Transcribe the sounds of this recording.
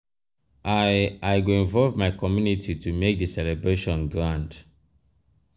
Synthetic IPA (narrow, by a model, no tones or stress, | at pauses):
ʔaɪaɪɡoĩɱvɔlvmaɪkɔmjunitʰitʰumek̚dəsɛlɛbɹeʃɔ̃nɡɹãnd